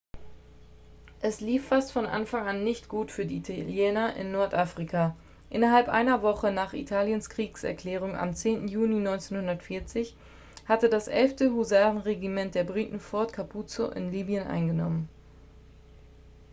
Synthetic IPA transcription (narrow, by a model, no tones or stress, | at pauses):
ʔɛsliːfːastfɔnʔa̰nfaŋʔanːɪçtɡ̥uːtfyːɐdiːitʰaljɛːnɐʔɪ̰nːɔɐtʔaːfʁ̥ikʰa | ʔɪnɐɦalpʔa̰ɪnɐvɔχənaːχḭtʰaːljənskʁ̥iːksɛ̰ɐkl̥ɛːʁ̞ʊŋa̰mt͡seːntn̩juːninɔʏnt͡seːnhʊndɐtfɪɐt͡sɪç | hatədasʔɛ̰lftəhuzaːʁən̩ʁeɡimɛnt̚d̥eːɐbʁiːtn̩fɔɐtkʰapʰut͡so̰ʔɪ̰nliːbjənʔa̰ɪnɡənɔ̰mən